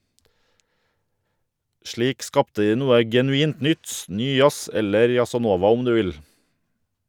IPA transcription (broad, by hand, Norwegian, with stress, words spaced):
ˈʃɭiːk ˈskɑptə ˈdiː ˈnuːə ɡɛnʉˈiːnt ˈnʏt ˈnyː ˈjɑs ˈɛləɾ jɑsɑˈnoːʋɑ ˈɔm ˈdʉː ˈʋɪl